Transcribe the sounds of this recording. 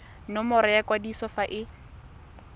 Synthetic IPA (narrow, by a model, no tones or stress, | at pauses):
nɔmʊɾɛjakwadisɔfaʔɪ